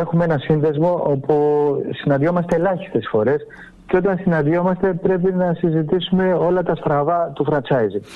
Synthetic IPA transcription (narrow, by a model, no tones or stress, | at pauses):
e̞xumeenɐsinðe̞zmoopusinɐnd̪jo̞mɐst̪e̞ːlɐçi̥st̪e̞sfo̞ɾe̞s | ceo̞t̪ɐnsinɐnðjo̞mɐst̪e̞pɾe̞p̬inɐsizit̪isume̞o̞lɐt̪ɐst̪ɾɐvɐt̪ufɾɐnt͡sɐizi